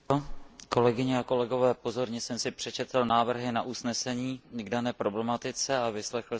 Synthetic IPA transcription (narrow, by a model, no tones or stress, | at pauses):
ko̞lɛɡɪɲɛako̞lɛɡo̞vɛːpo̞zo̞ɾɲɛsɛmsɪpr̝̥ɛt͡ʃɛt̪l̩naːvr̩ɦɪnaʔusnɛsɛɲiːɡdanɛːpɾo̞blɛmat̪ɪt͡sɛavɪslɛxl̩